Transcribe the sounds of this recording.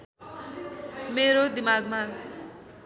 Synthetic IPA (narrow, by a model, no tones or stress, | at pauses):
meɾod̪imaɡma